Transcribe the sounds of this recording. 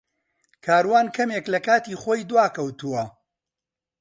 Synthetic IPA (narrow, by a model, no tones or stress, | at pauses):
kʰaːɾwaːnkʰɐmeklɐkaːt̪iːχoːjd̪waːkʰɐwt̪uwɐ